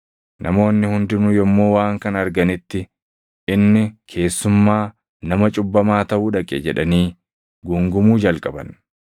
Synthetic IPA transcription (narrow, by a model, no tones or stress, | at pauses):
nʔɐmo̞ːnːɪhʊnd̪ɪnʊjɔmːo̞ːwaːŋkɐnɐɾɡɐnɪt̪ːɪ | ʔɪnːɪkʰe̞ːsːʊmːaː | nɐmɐt͡ʃʼʊbːɐmaːt̪ɐʔuːᶑɐkʼːɛ̰d͡ʒɛᶑɐniː | ɡʊŋɡʊmuːd͡ʒɐlkʼɐbɐn